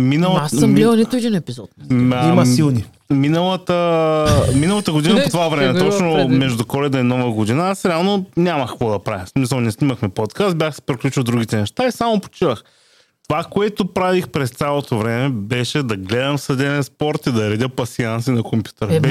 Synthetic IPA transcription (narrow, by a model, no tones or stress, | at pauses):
minəlˠasmmlˠniʊɛd̪inɛpizɔt̪ːimilˠni | minəlˠət̪ə | minəlˠɐt̪əɡod̪inəpot̪ovavɾɛmɛɔt͡ʃnʊmɛʒd̪ʊkɔlɛd̪ɐinɔvəɡod̪inaasɾɛalˠnonʲaməxkvɔd̪ɐpɾavʲismisəlˠnɛsniməxmɛpɔt̪kast̪̚bʲjaxsɛ̥pɾiklʲut͡ʃəlˠd̪ɾuɡ̟ʲit̪ɛnɛʃt̪aisamopo̥t͡ʃivəx | t̪ovakoɛt̪opɾavixpɾɛst̪sʲalˠot̪ovɾɛmɛbɛʃɛd̪ɐɡlɛd̪ɐmfsɐd̪ɛnɛspɔɾt̪id̪ɐɾɛd̪ʲəpɐsians̬inɐkompʲju̥t̪əɾbɛ